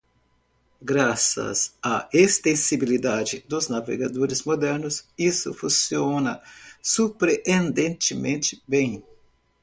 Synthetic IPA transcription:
ɡɾasɐ̰saest̪ẽsibilid̪ad͡ʒɪd̪ʊznavḛɡad̪oɾɪzmod̪ɛɾnʊsisʊ̰fũsionɐsupɾeʔẽnd̪ẽnt͡ʃ̪ɪmẽnt͡ʃ̪ɪ̥bẽj̃

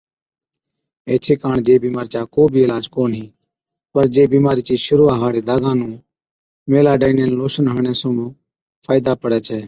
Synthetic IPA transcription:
eːt͡ʃʰeːkaːɳd͡ʒeːbiːmaːɾt͡ʃaːkoːbʱiːɪːlaːd͡ʒkoːnɦiː | pəɾd͡ʒeːbiːmaːɾiːt͡ʃiːʃʊɾuːãːɦaːɽeːd̪aːɡãːnũː | meːlaːɖaːneːnloːʃənɦəːɳẽːsũːmõː | pʰaːɪd̪aːpəɽɛːt͡ʃʰɛː

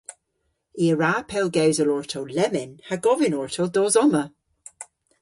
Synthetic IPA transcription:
iəɹaːpʰɛlˠɡɛwzəlɔɹtʰəwlɛmɪnhaɡɔvɪnɔɹtʰəldɔzɔmə

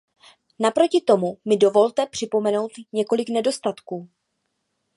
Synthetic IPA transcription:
napɾo̞cɪt̪o̞mumɪdo̞vo̞lt̪ɛpr̝̥ɪpo̞mɛno̞wt̪ɲɛko̞lɪknɛdo̞st̪at̪kuː

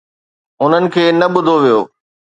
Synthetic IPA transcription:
ʊn̤ənɪ̆kʰeːnɐɓʊd̪ʱoʋijoː

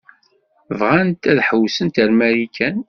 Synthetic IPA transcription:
vʁænt̪æðħəwsənt̪əɾmæɾikʰæn

